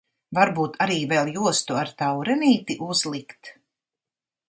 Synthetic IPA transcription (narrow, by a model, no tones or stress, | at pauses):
vaɾbuːt̪ʰaɾiːvɛlˠjuɔst̪uaɾt̪awɾɛniːt̪iʔuzlˠikt̪